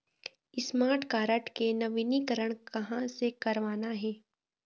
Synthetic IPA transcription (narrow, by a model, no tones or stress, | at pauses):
ɪsmaːɾʈʰkaːɾəʈkenɐʋɪnikəɾəɽ̃kɐɦãsekɐɾʋaːnaɦɛː